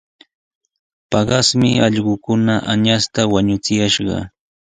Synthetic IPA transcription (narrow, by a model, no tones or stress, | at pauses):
pɑɢɑsmɪɑʎɢʊkʊnaʔa̰ɲast̪awaɲʊt͡sɪjaʃɢɑ̰